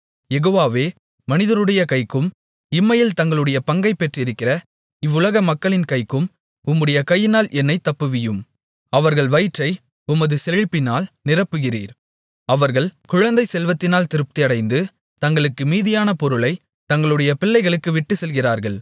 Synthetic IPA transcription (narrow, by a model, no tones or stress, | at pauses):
jɛɣoːʋaːʋeː | mɐnɪðɐɾɯɽɐjɐkɐɪkːɯm | ɪmːɐjɪlt̪ɐŋɡɐɭɯɽɐjɐpɐŋɡɐɪpːɛʈrɪɾɯkːɪrɐ | ɪʋːʊlɐɣɐmɐkːɐɭɪnkɐɪkːɯm | ʊmːɯɽɐjɐkɐjːɪnaːlʔɛnːɐɪt̪ːɐpːɯʋɪjɯm | ɐʋɐɾɣɐɭʋɐjɪʈrɐɪ | ʊmɐðɯsɛɻɪpːɪnaːlnɪrɐpːɯɣɪrḭːɾ | ɐʋɐɾɣɐɭkʊɻɐnd̪ɐɪsɛlʋɐt̪ːɪnaːlt̪ɪɾɯp̚t̪iɐɽɐɪnd̪ɯ | t̪ɐŋɡɐɭɯkːɯmiːðɪjaːnɐpɔɾɯlɐɪ | t̪ɐŋɡɐɭɯɽɐjɐpɪɭːɐɪɣɐɭɯkːɯʋɪʈːɯsɛlɣɪraːɾɣɐɭ